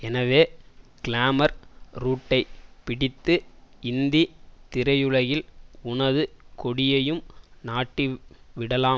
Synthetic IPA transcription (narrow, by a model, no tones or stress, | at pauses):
ɛnɐʋeːkɪlaːmɐɾɾuːʈːɐɪpɪɽɪt̪ːɯɪnd̪it̪ɪɾɐjɯɻɐjɪlʊɳɐðɯkɔɽɪjɐjɯmnaːʈːiʋɪɽɐlaːm